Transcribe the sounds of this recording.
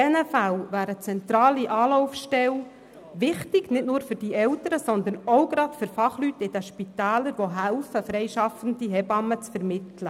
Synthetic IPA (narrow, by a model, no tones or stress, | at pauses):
ɛnəfælvæːɾət͡sɛnt̪ɾɑːliʔɑːlɔʊfʃtɛl | ʋɪχtɪɡ̥nɪtnʊːɾfʏrd̥iɛlt̪əɾəsɔnd̪ənɔwɡɾɑtfʏɾfɑχlyt̪ɪd̥̪əʃpit̪æːləɾʋoɦælfəfɾɛjʃɑfən̩diɦɛbɑmːət͡sfɛɾmɪt̪lə